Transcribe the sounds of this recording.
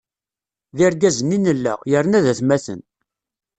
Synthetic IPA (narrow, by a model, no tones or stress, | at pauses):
ðɪɾɡæzənːinəlːæ̰jəɾnæðæθmæθə̰n